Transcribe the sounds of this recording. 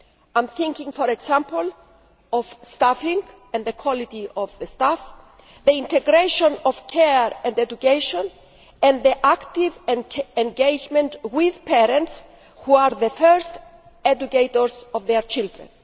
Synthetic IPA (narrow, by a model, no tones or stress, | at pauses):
ãjmθĩŋkĩŋfɔɾeksãmpol | ɔvst̪afĩŋ | ɛ̃nðekʰwɔlit̪iɔvðest̪af | ðeĩnt̪eɡɾeʃõnɔv̥kʰeɾɛ̃nd̪ed̪ukejʃõn | ɛ̃nðiʔakt̪ivẽnɡejd͡ʒmẽntwiðpɛɾɛ̃nts | huaɾðəfɛɹst̪ | ɛd̪ukejt̪oɾsɔvðeɾt͡ʃild̪ɾḛ̃n